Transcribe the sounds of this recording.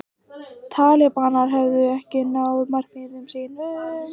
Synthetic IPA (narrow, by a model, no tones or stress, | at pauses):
t̪ʰaːlɛpaːnaɾ̥ɦɛvðʏɛhcɪnawðmar̥kmɪðʏmsiːn